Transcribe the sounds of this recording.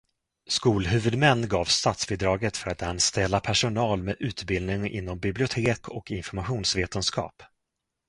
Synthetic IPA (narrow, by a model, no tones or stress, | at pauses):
skuːlɦʉ̟ːvɵd̪mɛnːɡɑːvst̪at̪svɪd̪ɾɑːɡət̪fœɾat̪anst̪ɛlːapʰæʂʊnɑːlmeːʔʉ̟ːt̪bɪld̪nɪŋɪ̰nːɔmbɪblɪʊt̪ʰeːkʰɔkɪnfɔɾmaɧuːnsveːt̪ənskɑ̰ːp